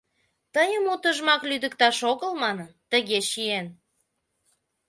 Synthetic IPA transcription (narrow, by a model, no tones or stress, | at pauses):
t̪əjəmut̪əʒmɑklyd̪ə̆kt̪ɑʃoɣəlmɑnənt̪əɣeʃien